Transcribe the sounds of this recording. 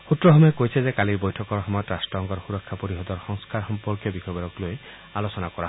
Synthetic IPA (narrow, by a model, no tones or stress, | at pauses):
xutɹɔɦɔmekojsʰɛzekaliɹbɔjtʰɔkɔɹxɔmatɾasʈɔŋɡɔɾxuɾɔkʰːapoɾiɦɔd̪ɔɹxɔŋskaɾxɔmpɔɹkjɔbikɔbɔɾɔkloj | alosɔnakɔɾaɦ